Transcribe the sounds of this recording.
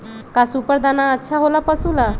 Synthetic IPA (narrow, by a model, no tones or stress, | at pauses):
kasupəɾd̪anaətːʃʰaɦolapəsula